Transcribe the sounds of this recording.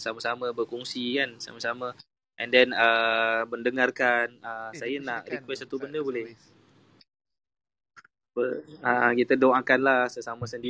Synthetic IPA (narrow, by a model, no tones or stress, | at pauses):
samasamabərkɔŋsikansa̰masama | ʔɛ̃ndɛnəməndəŋarkanəsajanaʔrikwɛsat̪ubəndəbolɛh | apəəkit̪adoakanlasəsamãsəndi